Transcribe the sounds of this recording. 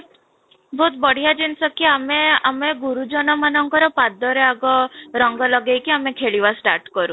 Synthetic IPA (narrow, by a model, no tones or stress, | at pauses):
bʱot̪̚bɔɽ̤ijad͡ʒinsɔkiameameɡuɾud͡ʒɔnɔmanɔŋkɔɾɔpad̪ɔɾeaɡɔɾɔŋɡɔlɔɡejkiamekʰeɭiʋasʈaɾʈkɔɾũ